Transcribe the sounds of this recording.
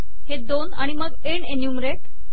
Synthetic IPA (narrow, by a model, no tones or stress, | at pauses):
hed̪ona̰ɽ̃iməɡ | eɳenijumɾeʈ